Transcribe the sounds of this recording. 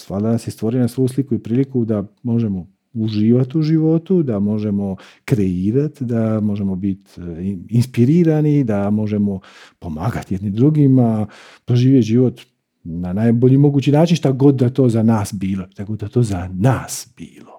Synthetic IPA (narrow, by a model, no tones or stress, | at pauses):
st̪ʋaːɾd̪anasjest̪ʋo̞ɾinasʋo̞jus̬likuipɾiːlikud̪amo̞ʒe̞mo̞ | uʒiːʋat̪uʒiʋo̞t̪ud̪amo̞ʒe̞mo̞kɾe̞iːɾat̪d̪amo̞ʒe̞mo̞bit̪inspiɾiːɾanid̪amo̞ʒe̞mo̞ | po̞maːɡat̪jed̪nimd̪ɾuɡima | pɾoʒiːʋjeʒiʋo̞t̪ | nanajboʎimo̞ɡuːt͡ɕinaːt͡ʃinʃt̪aɡo̞d̪d̪at̪o̞zanaːsbiːlot̪aɡod̪d̪at̪o̞ːzanaːsb̥iːlo